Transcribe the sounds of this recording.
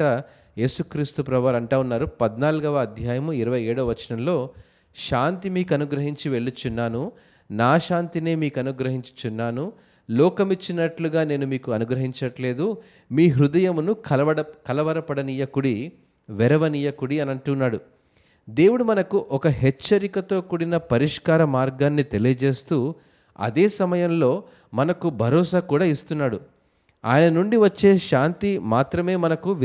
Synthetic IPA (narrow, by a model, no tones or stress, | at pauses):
ɐ | je̞ːsukɾiːst̪upɾɐʋɐɾɐɳʈaːunːaːɾupɐd̪naːluɡɐʋɐɐd̪ʱjaːjɐmuiɾɐʋɐjeːɽuːʋɐt͡ʃːɐnɐmlo̞ː | ʃaːnt̪imiːkɐnuɡɾɐɦiɲt͡ʃiʋe̞ɭːut͡ʃunːaːnu | naːʃaːnt̪ine̞ːmiːkuɐnuɡɾɐɦiɲt͡ʃu̥t͡ʃunːaːnu | lɔːkɐmit͡ʃːinɐʈluɡaːne̞ːnumiːkuɐnuɡɾɐɦiɲt͡ʃɐʈle̞ːd̪u | miːɦɾud̪ɐjɐmunuɐɐɐkɐlɐʋɐɾɐpɐɽɐnijɐkuɽi | ʋɛɾɐʋɐnijɐkuɽiɐnɐɳʈunːaːɽu | d̪e̞ːwuɽumɐnɐkuʔɔkɐɦɛt͡ʃːɐɾikɐt̪o̞ːkuɽinɐpɐɾiʂkaːɾɐmaːɾɡaːnːit̪e̞lijɐd͡ʒe̞ːst̪uː | ɐ̰d̪eːsɐmɐjɐmlo̞ː | mɐnɐkubʱɐɾɔːsaːkuːɽaːist̪unːaːɽu | a̰ːjɐnɐnuɳɖiʋɐt͡ʃːe̞ːʃaːnt̪imaːt̪ɾɐme̞ːmɐnɐkuʋ